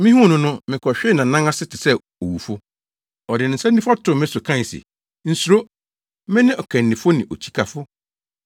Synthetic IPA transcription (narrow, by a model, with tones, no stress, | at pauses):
mɪ̃˦hũ˦˨nʊ̃˦nʊ̃˦mɪ̃˨kʰɔ˨ɕᶣɪ˦nã˨nã˦ŋa˦sɪ˦tɪ˨sɛ˦ | o˨wu˨fo˦ | ɔ˨dɪ˨nɪ̃˨n̩˨sɛ˦nĩ˦fɔ˦tʰʊ˨mɪ̃˦sʊ˨kʰã˦˨sḛ˨ | n̩˨su˨ɾo˦ | mɪ̃˦nɪ̃˦ʔɔ˨kʰæ̃˨n̩ː˨ɪ̃˨fo˦nɪ̃˨ʔo˨t͡ɕʰi̥˦kʰa˨fʊ˦